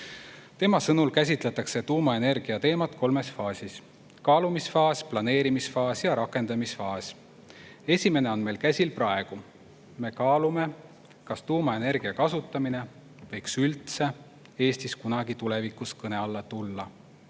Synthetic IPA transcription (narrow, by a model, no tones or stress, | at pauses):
t̪e̞mɑsɤnulkæs̬ʲit̪ˑle̞t̪ːˑɑkse̞t̪uːmɑe̞ne̞rɡ̥iɑt̪e̞ːmɑt̪kʰo̞lme̞sfɑːsʲis | kɑːlumisfɑːsʲplɑne̞ːɾimisfɑːsjɑɾɑkːˑe̞nd̪̥ɑmisfɑːsʲ | e̞sʲime̞ne̞o̞nme̞lkæsʲilprɑe̞ɡ̥u | me̞kɑːlume̞ | kɑst̪uːmɑe̞ne̞rɡ̥iɑkɑsut̪ːˑɑmine̞ | vɤ̞jksylt̪se̞ | e̞ːst̪iskunɑɡit̪ule̞vikˑuskɤne̞ɑlːɑt̪ulːɑ